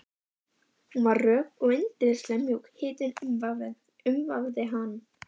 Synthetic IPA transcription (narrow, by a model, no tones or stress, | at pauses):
hunvarrœːkɔɣent̪ɪɾɪslɛmjuwkhɪːt̪ɪnmvav | ʏmvavðɪɦan